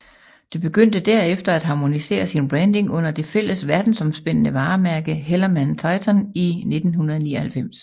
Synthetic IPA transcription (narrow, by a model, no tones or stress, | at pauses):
d̥e̝b̥e̝ɡ̥øn̰d̥əd̥æɐ̰efd̥ɐæd̥ɦɑ̈ːmo̝nise̝̰ːɐsinb̥ʁɛnd̥e̝ŋɔ̽n̰ɐd̥e̝fel̰əsʋæɐd̥n̩sɒ̽msb̥en̰ənəʋɑ̈ːmæɐɡ̥əɦelɐmænt͡sʰɑ̈ɪt͡sʰɒnine̝d̥n̩hunɐð̞ˠnḭːɐhælfem̰s